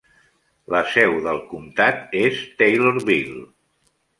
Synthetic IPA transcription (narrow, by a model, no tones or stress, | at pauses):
ləsɛwðəlˠkumt̪at̪est̪ejloɾβilˠ